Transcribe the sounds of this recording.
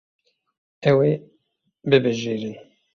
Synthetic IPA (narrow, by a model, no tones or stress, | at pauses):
ɛwe | bɨbɨʒeːɾin